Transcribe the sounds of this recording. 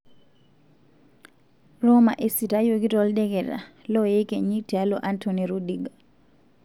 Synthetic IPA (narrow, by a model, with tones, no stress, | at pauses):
ro˦ma̰˨ʔe˦si˨ta˦joɡi˦tɔ˦lde˦ke˨ɾa̰˨lɔ˦je˦ke˨ɲi˦tia˦lo˨ʔa˦ntʰoni˨ɾu˦diɡa